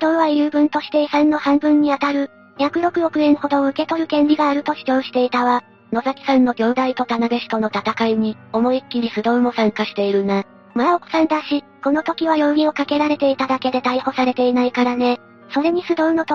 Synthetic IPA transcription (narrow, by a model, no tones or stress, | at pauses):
sd̪o̞ːβajɯːbɯ̟̃nt̪o̞ɕi̥t̪e̞isãnːo̞hãmbɯ̟̃ɲ̟ːiat̪aɾɯ̟ | çʲakɯ̟ɾo̞kɯ̟ɾo̞kɯ̟ẽ̞ɰ̃ho̞d̪o̞ːɯ̟ke̞t̪o̞ɾɯ̟kẽ̞nɾʲiɡaːɾɯ̟t̪o̞ɕi̥t͡ɕo̞ːɕi̥t̪e̞it̪aβa | no̞zakʲi̥sãnːo̞ɡʲo̞ːd̪ait̪o̞t̪anaɡeɕi̥t̪o̞no̞t̪at̪akaiɲ̟io̞mo̞ikʲːiɾʲisɨd̪o̞ɯmo̞sãŋkaɕi̥t̪e̞iɾɯ̟na | maoko̥sãnd̪aɕi | ko̞no̞t̪o̞kʲiβajo̞ːɲʲio̞kake̞ɾaɾe̞t̪e̞it̪ad̪ake̞d̪e̞t̪aiho̞saɾe̞t̪e̞inaikaɾane̞ | so̞ɾe̞ɲ̟isɨd̪o̞ɯno̞t̪